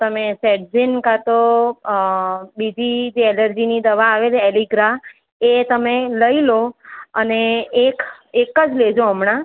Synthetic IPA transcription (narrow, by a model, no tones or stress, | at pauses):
t̪əmesɛʈd͡ʒinkat̪o | bid͡ʒid͡ʒeɛləɾd͡ʒinid̪əʋaːʋed͡ʒeɛliɡɾa | et̪əmeləiloəneekekəd͡ʒled͡ʒoəmɳã